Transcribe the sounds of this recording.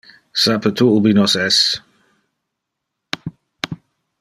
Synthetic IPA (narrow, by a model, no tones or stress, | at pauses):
sapʰət̪ʰuʔubinɔsɛs